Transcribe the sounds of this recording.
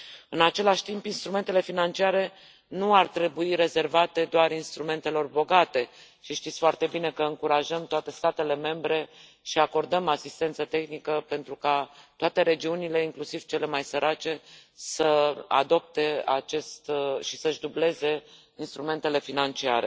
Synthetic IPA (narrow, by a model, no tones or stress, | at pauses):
ɨnat͡ʃe̞laʃʲt̪impinst̪ɾume̞nt̪e̞le̞finant͡ʃiaɾe̞ | nuart̪ɾe̞buiɾe̞ze̞rvat̪e̞d̪oaɾinst̪ɾume̞nt̪e̞lo̞rbo̞ɡat̪e̞ | ʃiʃt̪it̪sʲfoart̪e̞bine̞kəɨŋkuɾaʒəmt̪oat̪e̞st̪at̪e̞le̞me̞mbɾe̞ | ʃiako̞rd̪əmasist̪e̞nt̪sət̪e̞xnikəpe̞nt̪ɾukat̪oat̪e̞ɾe̞d͡ʒiunile̞iŋklusiv̥t͡ʃe̞le̞majsəɾʔat͡ʃe̞səa̰d̪o̞p̚t̪e̞a̰t͡ʃe̞st̪ʃisəʒd̪uble̞ze̞ | inst̪ɾume̞nt̪e̞le̞finant͡ʃiaɾe̞̰